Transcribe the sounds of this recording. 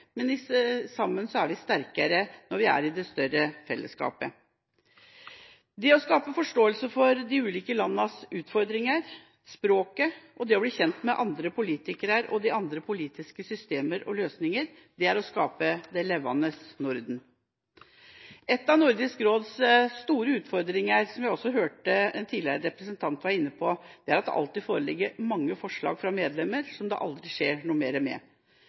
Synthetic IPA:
mɛnɪsɑmːənsɔæɾʋɪst̪æɾkəɾənɔɾʋɪæ̰ɾɪd̪ɛst̪œɾəfɛ̰lːʔə̰skɑ̰ːpə | d̪ɛɔskɑːpəfɔʂʈoːəlsəfɔɾd̪ɪʉːliːkəlɑnːəsʉːt̪fɔɾd̪ɾɪŋəɾ | spɾoːkəʔɔd̪ɛɔbliːçɛnt̪mɛʔɑnd̪ɾəpʰʊliːt̪ɪkəɾəɾɔ̰d̪ɪɑnd̪ɾəpʰʊliːt̪ɪskəsʏst̪eːməɾɔ̰løːsnɪŋəɾ | d̪ɛæɾɔskɑːpəd̪ɛlɛʋːɑ̰nəsnʊɾd̪n̩ | ɛt̪ːɑʋnʊɾd̪ɪskɾoːd̪sst̪uːɾəʉːt̪fɔɾd̪ɾɪŋəɾsɔmjæɪɔsːɔɦøːʈəɛnt̪ʰiːd̪ɪə̰ɾəɾɛpɾəsənt̪ʰɑnt̪ʋɑɾɪnːəpʰɔd̪̥ɛæɾɑt̪d̪ɛ̰ʔɑ̰lt̪iːfoːɾəlɪ̰ɡːəɾmɑŋːəfɔʂɭɑ̰ːɡfɾɑmeːd̪lɛmːəɾsɔmd̪ɛ̰ʔɑ̰ld̪ɾɪʂeːɳuːmeːɾəmɛ̰

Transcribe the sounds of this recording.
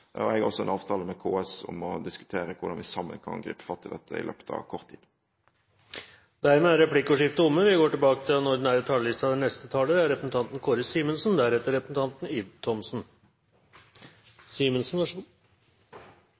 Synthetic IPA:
ɔ̰ɛɡæɾɔsɔɛnɑːʋt̪ʰɑːləmɛkʰoːɛsɔ̰mɔd̪ɪskʉ̥t̪ʰeːɾəkʰʊdɑnʋɪsɑmːə̰nkʰɑ̰nɡɾḭːpə̥fɑt̪ʰːɪld̪ɛt̪ʰːəɪ̰lø̰ːpə̥t̪ʰɑ̰ʋkʰɔʁt̪ʰiːd̪ | d̪æɾmeæɾɛplɪkːəʊʂɪft̪əʊmːəʋɪɡoːʈɪlbɑːkət̪ʰɪlɛnɔɖɳn̩æːɾɛt̪ʰɑllɪst̪ɑd̪ɛnɛst̪ət̪ʰɑːləæɾɛpɾəsən̩t̪ʰɑnt̪n̩kʰoːɾəsiːmənsnd̪æɾɛt̪ːəɾɛpɾəsn̩t̪ɑnt̪niːʋt̪ʰɔmsn̩ | siːmənsn

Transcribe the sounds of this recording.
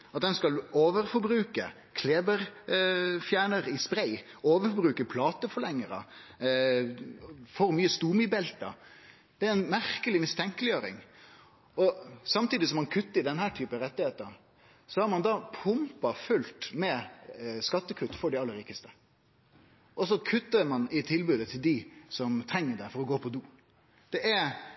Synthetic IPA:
ɑt̪̚d̪ɛnskɑloːʋəɾfɔɾbɾʉːkə̰ | kʰleːbəɾ | fjæːɳəɾɪspɾæɪoːʋəfɔbɾʉːkəpʰlɑːt̪əfɔlɛŋːəɾə̰ | fɔɾmyːəst̪uːmyːbɛlt̪ɑ̰ | d̪̥ɛæɾɛɪnmæɾkəlɪmɪst̪ʰɛŋkəlɪjøːɾɪ̰ŋ | ɔsɑmt̪iːd̪ɪsɔmɑnkʰʉt̪ːəɾd̪ɛnhæːʈ̪ʰyːpənɾɛt̪ːɪheːt̪əɾ | sɔhɑɾmɑnd̪ɑːpʰʊmpɑfʉlt̪mɛ | skɑt̪ːəkʰʉt̪ːfɔɖɛɑlːəɾiːkəst̪ə̥ | ʔɔsɔkʰʉt̪ːəɾmɑnɪt̪ʰɪlbʉːd̪ət̪ʰɪld̪ɪsɔmt̪ʰɾɛŋːəɖɛfɔɾɔɡoːpʰɔd̪uː | d̪̥ɛʔæɾ

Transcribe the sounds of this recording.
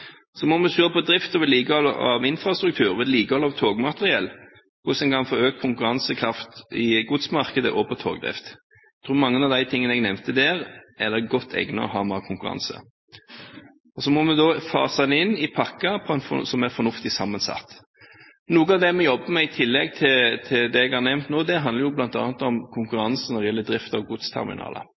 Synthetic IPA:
sɔmɔmɛsøːɾəpʰɔd̪ɾɪft̪ɔʋɛliːkəɔl̰ɑ̰ʋɪnfɾɑst̪ɾʉk̚t̪ʰʉːɾʋɛd̪liːkəhɔlɑʋt̪ʰoːɡmɑt̪əʁɪɛlː | kʰʊsɛnkʰɑnfɔøːk̪̚kʰʊŋkʉɾɑnsəkʰɾɑft̪ɪɡud̪smɑɾkəd̪ə̰ʔɔpʰɔt̪ʰo̰ːɡd̪ɾɪ̰ft̪̚ | t̪ʰɾuːmɑŋːənɑʋd̪æɪt̪ʰɪŋːənɛɡnɛmt̪əd̪ɛːɾɛd̪ɛɡɔt̪ʰːɛ̰ɡnɑ̰ɦɑ̰ːmɑːkʰʊŋkʉɾɑ̰nsə̰ | ɔsɔmɔmɛd̪ɔfɑ̰ːsɑnɪnːɪpʰɑkːəpʰɔɛnfɔsɔmæɾfɔɾnʊft̪ɪsɑmːɑnsɑ̰t̪ː | nuːɡəɑʋd̪ɛmɛjɔbːəmɛɪt̪ʰɪlːɛɡ̚t̪ʰɪt̪ʰɪld̪ɛɛɡhɑɾnɛmnt̪noːd̪ɛɦɑnd̪əɾjʊblɑnt̪ɑ̰ːnt̪ɔmkʰʊŋkʉɾɑnsənɔɾɪjɛlːəd̪ɾɪft̪ɑʋɡʊd̪st̪ʰɛ̰ɾmɪ̰nɑ̰ːlə̰

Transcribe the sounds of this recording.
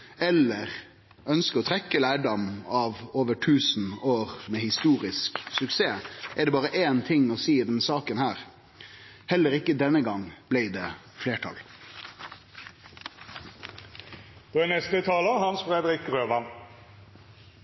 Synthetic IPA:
ɛləʁ | œnskəɔt̪ʰɾɛkːəlæːɖɑmɑʋoːʋəʈʰʉːsn̩oːʁmɛhɪst̪uːʁɪsksʉkseːʔɛɖɛːbɑːʁəʔeːnt̪ʰɪŋːɔsiːɪd̪ɛnsɑːkənhæːʁ | hɛlːəɾɪkːəd̪ɛnːəɡɑŋb̥læɪd̪ɛː | fleːʈʰɑ̰l | d̪̥oːɛnɛst̪ət̪ʰɑːləhɑnsfʁeːd̪ʁɪkʁøːʋɑn

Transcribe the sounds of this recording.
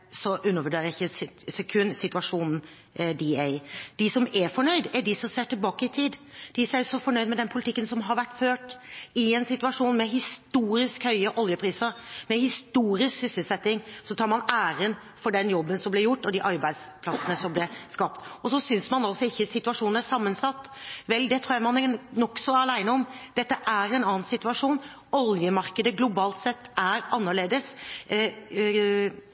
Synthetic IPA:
sɔʔʉnːəʋəɖeːɾəɪçːəsɛkʰʉnːsɪt̪ʉɑʂuːnn̩ | d̪ɪɛɪd̪̥ɪsɔmɛfɔɳœʏd̪ɛɖɪsɔseːʈɪlbɑːkəɪt̪ʰiːd̪d̪̥ɪsɛʂɔfɔɳœʏd̪mɛd̪ɛnpʰʊlɪt̪ʰɪkːənsɔmɦɑɾʋæʈːføːʈɪɛnsɪt̪ʉɑʂuːnmɛɦɪst̪uːɾɪskhœʏəʔɔljəpʰɾiːsəɾmɛhɪst̪uːɾɪsksʏsəlsɛt̪ːɪŋsɔt̪ʰɑːɾmɑnæːɾən | fɔɖɛnjɔbːənsɔmblɛjʊʈːɔd̪iʔɑɾbæɪd̪spʰlɑsənəsɔmblɛskɑp̚t̪ɔsɔsʏnsmɑnɑlsɔɪçːəsɪt̪ʉɑʂuːnənæʂɑmːənsɑt̪ːʋɛld̪ɛt̪ʰɾuːjæmɑnnɔksɔlæɪnəɔmd̪̥ɛt̪ːəʔæɾɛnɑːnsɪt̪ʉɑʂuːn | ɔljəmɑɾkəd̪əɡlʊbɑːlt̪sɛt̪ːæɾɑnːəɭeːd̪əs

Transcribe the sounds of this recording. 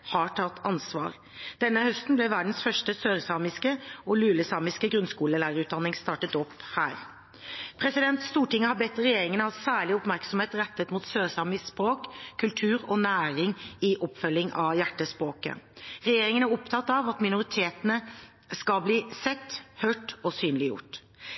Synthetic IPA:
hɑʈʰɑt̪ːɑnsʋɑ̰ːɾ | d̪̥ɛnːəhœst̪n̩blɛʋæɖn̩sfœʂʈəsøːɾsɑːmɪskəɔlʉːləsɑːmɪskəɡɾʉnskuːləlæːɾəʉːt̪̚d̪ɑnːɪŋst̪ɑːʈət̪ɔpːhæ̰ːɾ | pʰɾɛsɪd̪ɛnt̪st̪uːʈɪŋːəhɑɾbɛt̪ːɾɛjeːɾɪŋənəɑsæːɭɪɔpmæɾksɔmheːt̪ɾɛt̪ːət̪muːt̪søːɾsɑːmɪsspɾoːkkʰːʉlt̪ʰʉːɾɔnæːɾɪŋɪʔɔpːfœlːɪŋʔɑ̰ʋjæʈːəspʁoːkə̰ɾɛjeːɾɪŋənæɾɔpt̪ʰɑt̪ːɑʋɑt̪mɪnʊɾɪt̪ʰeːt̪nə | skɑlbliːsɛt̪ːhœːʈɔsyːnlɪjʊ̰ʈː

